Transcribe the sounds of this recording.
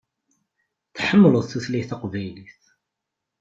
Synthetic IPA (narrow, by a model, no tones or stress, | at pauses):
θħəmːləðˤθuθliθɑqvæjliθ